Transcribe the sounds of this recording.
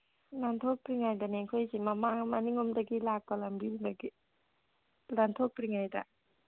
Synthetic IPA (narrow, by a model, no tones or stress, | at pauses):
nantʰɔk̚pɾiŋajdɐneŋkʰojzimɐmamɐniŋɔmdɐɡilak̚pɐlambiibaɡi | lantʰɔkpɾiŋajda̰